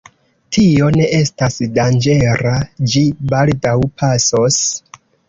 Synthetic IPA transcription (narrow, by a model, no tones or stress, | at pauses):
tʰio̞ne̞ʔe̞stasdand͡ʒe̞ɾad͡ʒibaldawpʰaso̞s